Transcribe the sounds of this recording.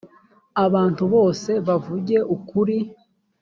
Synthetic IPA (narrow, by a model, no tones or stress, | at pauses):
aβaːntuβo̞ːse̞βavuɟe̞ʔukuɾi